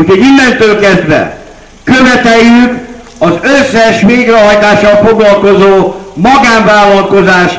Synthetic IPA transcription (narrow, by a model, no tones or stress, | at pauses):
ucʰoɟilːɛnt̪øːlkɛzd̪ʋɛ̰ | køvɛt̪ɛjːyk | ɒzøsːɛʃʋeːɡɾɛɦɒjt̪aːʃːɒlfoɡlɒlko̞zoːmɒɡaːɱvaːlːɒlko̞zaːʃ